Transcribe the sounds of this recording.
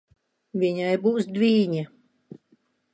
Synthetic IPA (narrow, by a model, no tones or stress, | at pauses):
vʲiɲajbuːsd̪vʲiːɲa